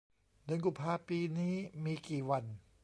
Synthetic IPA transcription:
dɯ˧nku˨˩mpʰaː˧piː˧niː˦˥miː˧kiː˨˩wa˧n

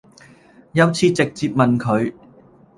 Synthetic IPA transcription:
jɐ˨˧wt͡sʰiː˨˧t͡sɪ˨k̚t͡siː˧p̚mɐ˨nkʰɵ˨˧ɥ

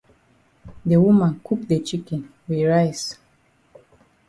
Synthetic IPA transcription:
de˨wu˦mã˨nkʰu˦k̚de˨t͡ʃi˦kɛ̃˨nwi˨ɹaɪs

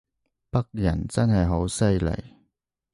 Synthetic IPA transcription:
pɐ˥k̚jɐ˨˩nt͡sɐ˥nɦɐ˨jɦo˨˥wsɐ˥jlḛ˨˩j

